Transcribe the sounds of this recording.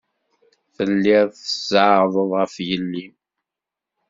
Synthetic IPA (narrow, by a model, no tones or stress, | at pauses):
θəlːɪʁθəz̥əʕðˤəðˤʁəfjəlːi